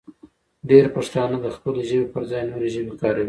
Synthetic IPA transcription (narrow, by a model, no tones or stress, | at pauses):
ɖeɾpaʂt̪ɑnad̪əxpəloʒəwepəɾzɑjnoɾeʒəbekɑɾawi